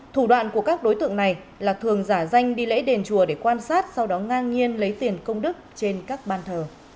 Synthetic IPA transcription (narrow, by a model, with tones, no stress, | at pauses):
t̪ʰu˧˩ɗwa̰ː˧˨nku˧˩əkaː˦˥k̚ɗo˨˦jt̪ɨ̰˧˨ə˨ŋna˨˩j | laː˨˩t̪ʰɨ˨˩əŋzaː˧˩za˧jŋ̟ɗi˧lḛ˧˥ɗe˨˩nt͡ɕu˧˩əɗe˧˩kwaː˧nsaː˦˥t̚sa˧wɗɔ˨˦ŋaː˧nŋi˧ənlə˨˦jt̪i˨˩ənkə˧wŋ͡mɗɨ˦˥k̚t͡ɕe˧nkaː˦˥k̚ɓaː˧nt̪ʰəː˨˩